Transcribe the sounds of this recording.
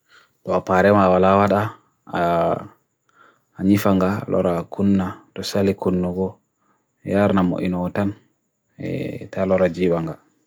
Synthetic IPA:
tɔapaɾɛmaːwalawaɗa | ɲifaŋɡalʔɔ̰ɾakʰunːatɔsalikunːuɡɔ | jaɾnamo̰ʔḭnɔɔtan | ɛ̰talɔɾad͡ʒiɓaŋɡa

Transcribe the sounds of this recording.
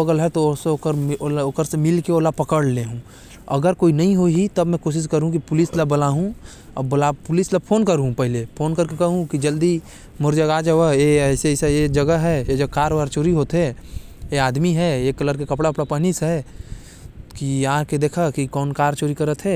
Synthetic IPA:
əɡəlɦɛt̪osekəɾooːkəɾsemɪlkeoːlapɐkəɽleɦũ | ɐ̰ɡəɾkoːinɐɦĩɦoɦit̪ɐbmɛ̃koːʃ̬ɪskəɾũk̬ipʊlɪslabɐlaːɦũ | ɐ̰bbɐlapʊlɪslapʰoːnkəɾɦũpɐɦɪlepʰoːnkəɾkekɐɦũkid͡ʒɐld̪i | mʊɾd͡ʒaɡaːd͡ʒaʋəeɛɪsesaed͡ʒɐɡəɦɛjed͡ʒokaːɾʋaːɾt͡ʃoːɾiɦoːt̪ɦɛ | eaːd̪miɦɛeːkːɐləɾkekɐpɽaɐpɽapənisɦɛ | kiaːked̪eːkʰakikɔːnkaːɾt͡ʃoːɾikɐɾət̪ʰɦɛː

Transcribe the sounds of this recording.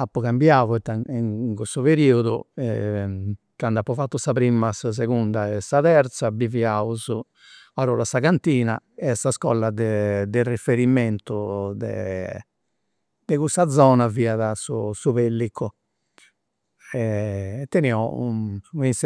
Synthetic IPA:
apːɔkambjaːvɔɛt̪ːaŋŋkust̪uβeɾiːuðṵɛ | kand̪apːɔfat̪ːusapɾimasas̬eɣund̪aɛsaðɛɾt̪sabiviauzu | aɾɔːɾasaɣant̪iːna̰ɛsaskɔlːad̪ɛd̪ɛrifeɾiment̪ud̪ɛ̰ | d̪ɛkust̪ad̪zɔːnaviːaðasṵsuβelːikʰːu | ɛt̪ːɛniɔuins

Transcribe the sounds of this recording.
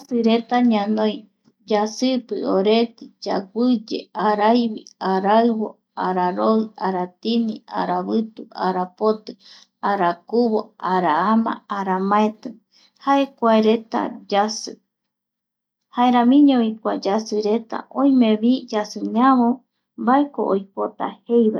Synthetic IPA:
sɨɾet̪aɲãnoj | d͡ʒasɨpɨoɾet̪ɨd͡ʒa̰ɡʷɨd͡ʒḛaɾajβḭaɾaɨβo | aɾaɾoɨaɾat̪inia̰ɾaβɨt̪uʔaɾapot̪ɨ | aɾakuβoaɾaamã̰ːɾamãet̪ɨ | haekʷaeɾet̪a̰d͡ʒasɨ̰ | haeɾãmĩɲoβikʷad͡ʒasɨɾet̪a̰ʔõĩmẽβid͡ʒasɨɲaβõ | baeko̰ʔojpot̪a̰hejβa

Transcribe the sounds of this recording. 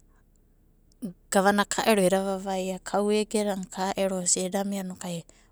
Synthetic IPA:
ɡ̥aβanakʰaʔeɾoiɾaβaβajakʰaweɡeɾaŋkʰaʔeɾosedamianokae

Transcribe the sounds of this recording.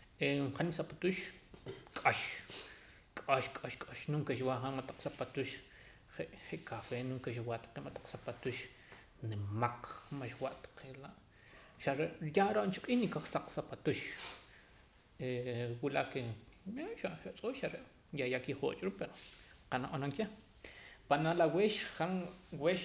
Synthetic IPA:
eχanisapat̪uʃ | kʼaʃ | kʼaʃkʼaʃkʼaʃnuŋkeʃwaχamat̪ḁq͡χsapat̪uʃ | χeʔχeʔkʰafenuŋkeʃ̬wat̪ḁqemat̪ḁq͡χsapat̪uʃ | nemaq͡χmaʃwaʔt̪ḁqʰelaʔ | ʃaɾeʔɾjaʔɾoʔnt͡ʃuqʼiːhnikaχsaq͡χsapat̪uʃ | ewulakeeʃaʃaʔt͡sʼuʃʃaɾeʔ | jajakiχo̰ːt͡ʃʼɾuʔpeɾoqanaʔanaŋke | panalaweʃχaŋweʃ

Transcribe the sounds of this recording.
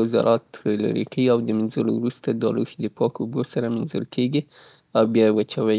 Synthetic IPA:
zɑ̰ɾʔɑt̪ːɾla̰ɾḭkaiawd̪əmɪnzəlo̰wɾust̪ad̪ɑluxid̪əpɑkubosaɾamɪnzə̰lkʰeɡi | awbjɑjewat͡ʃawaj

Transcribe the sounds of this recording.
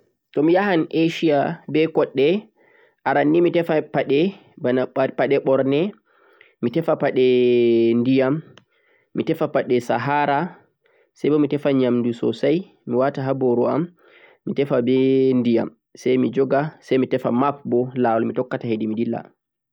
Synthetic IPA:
tɔmijaɦanʔeʃiabɛkɔɗːɛ | ʔaɾanːimitɛfapaɗɛ | banapaɗɛɓɔɾnɛ | mitɛfapaɗɛndijamː | itɛfapaɗɛsaɦaɾa | sajbɔmitɛfaɲamndusɔ̰saj | miwataɦaboɾua̰mː | itɛfabɛndija̰m | sajmid͡ʒɔɡasajmitɛfamap̚bɔlawalmitɔkːatahedimidilːa̰

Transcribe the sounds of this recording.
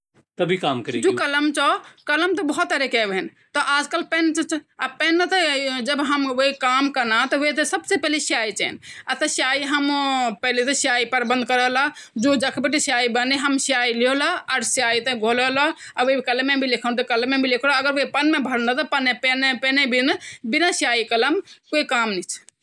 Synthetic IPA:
t̪əbʱikamkəɾid͡ʒokɐləmt͡ʃɔkələmt̪ɔbɔɦut̪ːəɾekɛbɦɛn | t̪ɔʔaːd͡ʒkəlpɛnt͡ʃət͡ʃapɛnːət̪ɔd͡ʒəbɦəmwoikamkəɾnat̪ɔʋot̪esəbsepɛɦlesait͡ʃɛ̰nat̪əsjaiɦəmpɛlet̪ɔsjaipəɾbənd̪̚ʱkəɾəɦlad͡ʒod͡ʒəkʰbiʈisjaibəniɦəmsijailiolaaɾsjait̪ẽɡʱoləlɔaʋoibikələmebʱilikʰənt̪ɔkəlmːebʱilekʰloəɡəɾʋoipənmebʱəɽnət̪ɔpənepenpenebinbinasjaikələmkoikamnit͡ʃʰ

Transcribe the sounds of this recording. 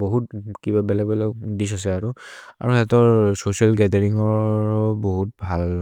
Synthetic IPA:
boɦutkibabɛlɛɡ̚bɛlɛkdis̬as̬ɛaɹua̰ɹuxɛtɔɹsosialɡɛdɛɹiŋɔɹboɦut̚bʱal

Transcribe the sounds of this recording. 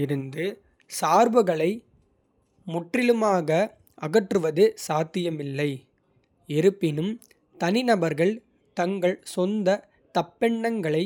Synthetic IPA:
ɪɾɯnd̪ɯ | saːɾbɐɣɐɭɐɪ | mʊʈrɪlɯmaːɣɐ | ʔɐɣɐʈrɯʋɐðɯsaːt̪ːɪjɐmɪlːɐɪ | ɛɾɯpːɪnɯm | t̪ɐnɪnɐbɐɾɣɐɭ | t̪ɐŋɡɐɭsɔnd̪ɐ | t̪ɐpːɛɳːɐŋɡɐɭɐɪ

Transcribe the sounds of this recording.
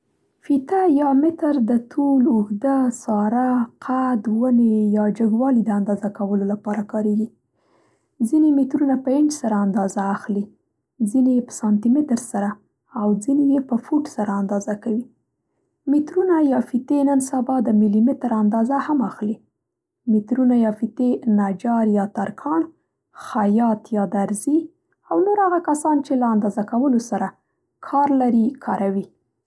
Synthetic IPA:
fit̪ajɑmɪt̪əɾd̪ət̪ʰulʊhd̪əsɑɾaqʰad̪wənejɑd͡ʒəɡwɑlid̪əand̪ɑzakawəlolapɑɾakɑɾeɡi | zinemɪt̪ɾunapəɪnd͡ʒsaɾaand̪ɑzaːxli | zinejepə̥sɑnt̪imɪt̪əɾsaɾa | awzinejepəfuʈsaɾaːnd̪ɑzakawi | mɪt̪ɾunajɑfit̪enənsabɑd̪əmɪlimɪt̪ɾand̪ɑzahamaxli | mɪt̪ɾunajɑfit̪enad͡ʒɑɾjɑt̪aɾkʰɑɳ | xajɑt̪jɑd̪aɾzi | awnoɾhaɣakasɑnt͡ʃelaand̪ɑzakawəlosaɾa | kʰɑɾlaɾikʰɑɾawi

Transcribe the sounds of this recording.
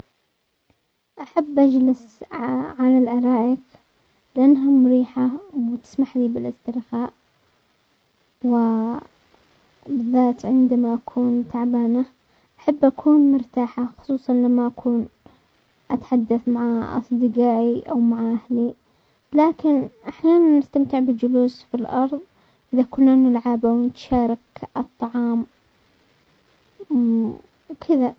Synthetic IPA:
ʔaħabːʔad͡ʒlɪs | ʕalalʔɑɾˤɑːʔɪk | lɪʔanːɦamʊɾiːħawt̪ɪ̥smaħliːbɪlʔɪst̪ɪɾxaːʔ | wɪ | bɪðːaːt̪ʕɪnd̪amaʔakʰuːnt̪aʕbaːna | ʔaħabːʔakʰuːnmʊɾt̪aːħaxʊ̥sˤuːsˤɑnlamːaʔakʰuːn | ʔat̪ħad̪ːaθmaʕaʔɑ̰sˤd̪ˤɨɡaːʔiʔawmaʕʔahli | laːkɪnʔaħjaːnanːɪst̪amt̪ɪʕbɪd͡ʒʊluːsfilʔɑɾˤðˤ | ʔɪðakʊlnːanɪlʕabawnɪt̪ʃaːɾˤɑkɨt̪ˤːɑʕɑːm | wkʰɪða

